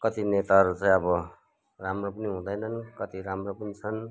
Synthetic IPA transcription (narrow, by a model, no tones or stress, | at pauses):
kʌt̪inet̪aʌɾut͡sãj̃ʌbʌ | ramropʌniɦũd̪ʌjnʌnkʌt̪iɾamropʌnit͡sʰʌn